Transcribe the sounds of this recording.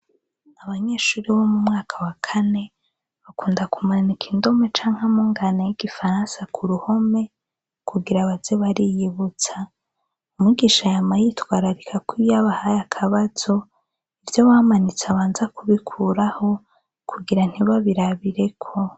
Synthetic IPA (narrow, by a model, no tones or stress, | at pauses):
aβaɲe̞ːʃuːɾiβomumŋaːkʰawakʰane̞ | βakuːndakumanikʰindo̞me̞t͡ʃaːŋ̥hamuːŋɡanajiɡ̥ifaɾãːnsakʰuɾuho̞me̞ | kʰuɡiɾaβazeβaɾijiβut͡sa | umiɡiʃajamajitɡwaːɾaɾikʰakwijaβahajakʰaβaz̥o̞ | ivjo̞wamanit͡saβaːnzakʰuβikʰuɾaho̞ | kuɡiɾan̥hiβaβiɾaβiɾe̞kʰo̞